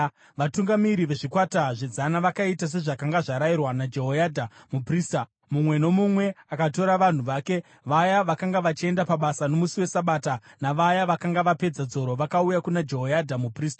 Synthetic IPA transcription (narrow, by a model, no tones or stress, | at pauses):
ʋatuŋɡamiɾiʋe̞ʐikwataʐed͡zanaʋakaitas̬e̞ʐakaŋɡaʐaɾairwanad͡ʒe̞ɦojadʱamupriːsta | mumwe̞no̞mumwe̞akato̞ɾaʋan̤uʋaːke̞ | ʋajaʋakaŋɡaʋat͡ʃie̞ndapaɓasano̞musiwe̞saɓaːtanaʋajaʋakaŋɡaʋape̞d͡zad͡zo̞ɾo̞ʋakaujakunad͡ʒe̞ɦojadʱamupriːstḁ